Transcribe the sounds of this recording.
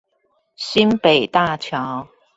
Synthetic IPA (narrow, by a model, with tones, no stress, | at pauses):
si˥npe˨˩jt̪a˥˧t͡ɕʰjɑ˨˥w